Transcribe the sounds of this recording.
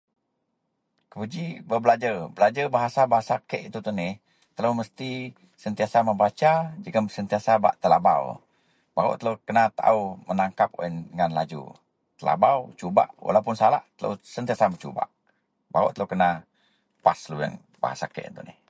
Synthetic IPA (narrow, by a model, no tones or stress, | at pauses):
kəpud͡ʒibəbəlad͡ʒərbəlad͡ʒəbaɦasabaɦasakəʔit̪ut̪unɪh | t̪ələwməst̪i | sənt̪iasaməmbat͡ʃad͡ʒəkaəsənt̪iasaba̰ʔt̪əlaba̰w | baɾo̰ʔt̪əlowkənat̪a̰umənaŋkap̚o̰indəŋanlad͡ʒṵ | t̪əla̰bawt͡ʃuba̰ʔwa̰lawpʊnsala̰hʔt̪ələ̰sənt̪iasamət͡ʃṵba̰ʔ | baɾo̰ʔt̪ələkəna | pasluə̰ŋ | ba̰ɦa̰sa̰kə̰ʔḭt̪unɪ̰h